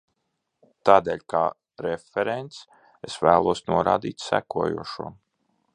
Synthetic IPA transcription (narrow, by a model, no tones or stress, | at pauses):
t̪aːd̪eːlʲka̰ː | ɾefʲeɾent̪s | esvæːlˠuɔsnuɔɾa̰ːd̪iːt̪sæ̰kuɔjṵɔʃuɔ